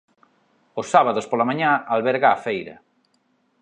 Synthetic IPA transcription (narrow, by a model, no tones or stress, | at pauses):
ʊsːaβaðospolamãɲãalβɛɾɣaːfejɾɐ̰